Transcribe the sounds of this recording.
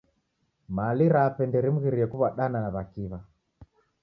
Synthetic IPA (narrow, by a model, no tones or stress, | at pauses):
maːliɾapɛndɛɾim̩ɣiɾiɛkuβaɗananaβakiβa